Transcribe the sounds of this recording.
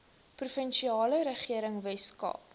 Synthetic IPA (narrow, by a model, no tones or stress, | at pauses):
prufənʃiɑːləɾəχiəɾəŋvɛskɑ̰ː